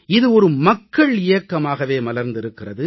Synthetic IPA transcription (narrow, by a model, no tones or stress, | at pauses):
ɪðɯɔɾɯmɐkːɐɭɪjɐkːɐmaːɣɐʋeːmɐlɐɾnd̪ɪɾɯkːɪrɐðɯ